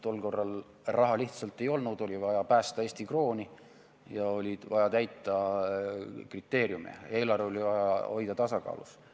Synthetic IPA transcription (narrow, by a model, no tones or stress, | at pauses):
t̪o̞lːko̞rːɑl | rʔɑɦɑliht̪sɑlt̪ːˑe̞jo̞lnud̪̥o̞lʲivɑjɑpæːst̪ɑeːsʲt̪ikro̞ːni | jɑo̞lʲi̥vɑjɑt̪æjt̪ːˑɑ | krit̪ːˑe̞ːɾjumḛe̞ːlɑro̞livɑjɑo̞jd̪ɑt̪ɑsɑkɑ̰ːlṵs